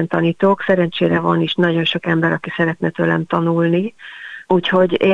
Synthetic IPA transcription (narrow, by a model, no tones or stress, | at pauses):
nt̪ɒniːt̪oːksɛɾɛnt͡ʃeːɾɛvɒniʃnɒɟo̞nʃo̞kɛmbɛɾɒkisɛɾɛt̪nɛt̪ølɛ̰mt̪ɒnulniuːcho̞ɟe